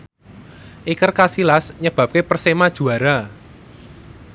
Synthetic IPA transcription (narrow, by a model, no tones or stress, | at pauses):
ʔikərkasilasɲəb̥ä̤p̚kepərsemad̥ʒ̥ṳaɾa